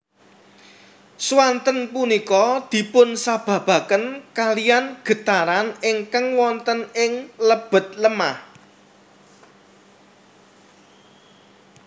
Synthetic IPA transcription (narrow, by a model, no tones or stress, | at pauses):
swant̪ənpunikɔd̪̥i̤pʊnsab̥ä̤b̥ä̤kənkalijanɡ̥ə̤t̪aɾanɪŋkaŋwɔnt̪ənɪŋləb̥ə̤t̪̚ləmah